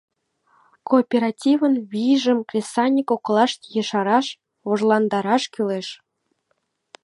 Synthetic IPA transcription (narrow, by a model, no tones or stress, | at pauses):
kopʲeɾɑtʲivənβiʒəmklʲesɑnʲikoklˠɑʃt̪jəʃɑɾɑʃ | oʒlˠɑnd̪ɑɾɑʃkyleʃ